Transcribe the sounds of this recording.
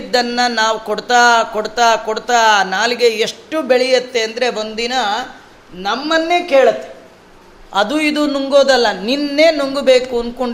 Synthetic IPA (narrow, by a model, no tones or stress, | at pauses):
d̪ːɐnːɐnaːʋukoɽt̪aːkoɽt̪aːkoɽt̪aːnaːliɡeeʂʈːubeɭijɐt̪ːe̞ɐnd̪ɐɾe̞o̞nd̪inɐ | nɐmːɐnːe̞ːkeːɭɐt̪ːe̥ | ɐd̪uid̪unuŋɡoːd̪ɐlːɐninːeːnuŋɡube̞ːkuɐnd̪koɳ